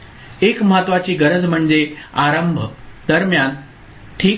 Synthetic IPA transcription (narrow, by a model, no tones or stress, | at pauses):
ekməɦat̪ʋat͡ɕiːɡəɾəd͡zm̤əɳd͡zeaɾəmbʱəd̪̥əɾmjan | ʈʰiː